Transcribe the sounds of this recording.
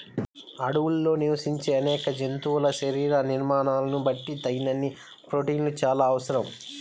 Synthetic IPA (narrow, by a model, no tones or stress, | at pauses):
ɐɽuwulːo̞ːniʋɐsiɲt͡ʃeːɐnɛːkɐd͡ʒent̪uːulɐʃɐɾiːɾaniɾmaːnaːlɐnubɐʈːit̪ɐjnɐnːi | pɾoːʈiːnlut͡ʃaːlaːɐʋɐsɐɾɐm